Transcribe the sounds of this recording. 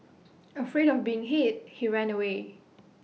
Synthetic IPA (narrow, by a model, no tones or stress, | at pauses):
əfɹeɾɔfbiɪ̃ŋɦet̚hiɹæ̃nəwe